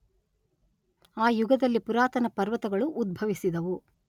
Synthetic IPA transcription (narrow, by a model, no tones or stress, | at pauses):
aːjuɡɐd̪ɐlːipuɾaːt̪ɐnɐpɐɾʋɐt̪ɐɡɐɭuʔːd̪̚bʱɐʋisid̪ɐʋu